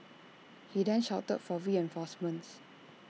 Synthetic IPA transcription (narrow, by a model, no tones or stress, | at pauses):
hidɛ̃nʃaʊtə̰tfɔɹiɛ̃nfɔsmə̃ns